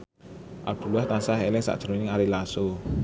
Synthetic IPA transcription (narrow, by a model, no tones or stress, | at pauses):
ʔa̰b̥ulwaht̪ansaɦelɪŋsa̰ʔdʒ̥əɾonɪŋaɾilaso